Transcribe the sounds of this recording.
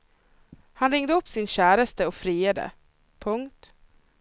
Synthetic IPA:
hanɾɪŋd̪əɵpːsɪnɕæːɾəst̪əɔfɾiːheːd̪ə̰ | pʰɵŋkt̪

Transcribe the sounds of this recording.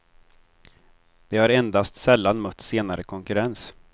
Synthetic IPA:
d̪̥ɛhaɾɛnd̪ast̪sɛlːanmœt̪ːseːnaɾəkʰɔŋkɵɾɛns

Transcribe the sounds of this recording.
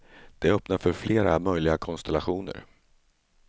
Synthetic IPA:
d̪̥ɛœpnaɾfœɾfleːɾamœjlɪɡakʰɔnst̪ɛlaɧuːnə̰ɾ

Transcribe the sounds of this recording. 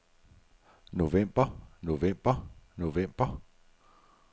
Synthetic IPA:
novɛmb̥ɐnovɛmb̥ɐnovɛmb̥ɐ

